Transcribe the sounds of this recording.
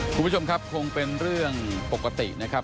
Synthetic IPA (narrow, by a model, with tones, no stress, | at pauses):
kkʰu˧m˦˥t͡ɕʰo˧mkʰa˦˥p̚kʰo˧ŋpe˧nɾɯ˥˩əŋpo˨˩kːa˧t̪ḭ˨˩ʔna˦˥kʰa˦˥p̚